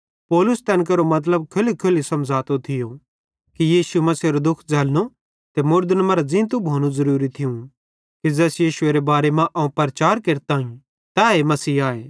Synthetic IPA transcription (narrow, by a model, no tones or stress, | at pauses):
pɔːlʊst̪ɛ̃ːnk̬ɐɾomɐt̪̬ləb̚kʰʊlkʰʊlisɐmd͡zʱaːt̪ot̪ʰɪjo | kijiːsumɐseɾod̪ʊkʰd͡zʱɐːlno | t̪emʊɾd̪ənmɐɾad͡zɪ̃nt̪̬ũbʱoːñũzɐɾuːɾit̪ʰɪũ | kid͡zɛːsjiːʃʊeːɾebaːɾemãʔɐũpɐɾɐt͡ʃaːɾkeːɾt̪aːĩ | t̪aemɐsiːaːeː